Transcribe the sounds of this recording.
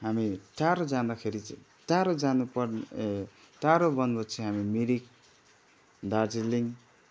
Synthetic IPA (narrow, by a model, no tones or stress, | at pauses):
ɦamitaɾod͡zand̪akʰeɾit͡s | taɾod͡zanupʌrn | taɾobʌnbʌt͡sʰĩɦamimiɾik̚ | dad͡ziliŋ